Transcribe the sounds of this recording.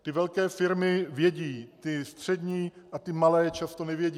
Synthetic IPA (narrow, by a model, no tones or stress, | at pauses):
t̪ɪvɛlkɛːfɪɾmɪvjɛɟiːt̪ɪst̪r̝̥ɛd̪ɲiːʔat̪ɪmalɛːt͡ʃast̪onɛvjɛɟiː